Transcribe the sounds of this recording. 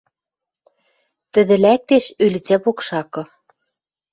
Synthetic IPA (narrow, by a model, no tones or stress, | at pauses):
t̪ɘ̆ðɘ̆læk̚t̪eʃylt͡sæpokʃɑkɤ̆